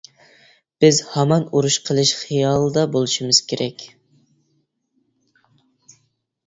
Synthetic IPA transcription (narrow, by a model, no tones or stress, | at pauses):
b̥ɪzhɑmɑnuɾuʃqʰəlˠɨʃχijɑːlˠɨd̪ɑbolˠɨʃimɨz̥kʲeɾʔɛkʲ